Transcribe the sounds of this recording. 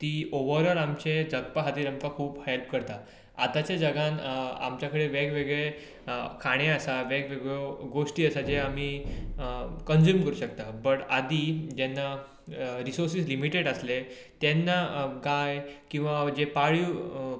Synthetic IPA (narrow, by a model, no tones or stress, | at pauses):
t̪iːoʋəɾəɾamt͡ɕed͡zəɡ̚paɦat̪iːɾamkakʰuːphelp̚kəɾt̪a | a̰t̪at͡ɕed͡zəɡãna̰mt͡ɕjakəɽeʋeɡʋeɡɭe | kʰaɽ̃eəsaʋeɡʋeɡɭoɡoʂʈiːəsad͡ʑeam̤iː | kənd͡zuːmkəɾuːɕəkt̪abəʈad̪iːd͡ʑɛnːa | ɾisoɾsiːslimiʈeɽəsle | t̪ɛnːaɡajkĩw̃ʋad͡ʑepaɭi